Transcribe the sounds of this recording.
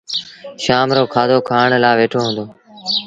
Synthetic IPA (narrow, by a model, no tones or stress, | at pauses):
ʃaːmɾoːkʰaːd̪oːkʰaːɳlaːʋeːʈʰoːɦũːnd̪oː